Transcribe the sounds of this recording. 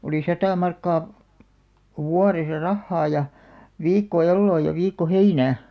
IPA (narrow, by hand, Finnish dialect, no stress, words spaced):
oliˑ sɑtɑˑ mɑrkːɑː wuɑresɑ rɑhːɑː jɑ ʋiːkːo elːoː jɑ ʋiːkːo heinæː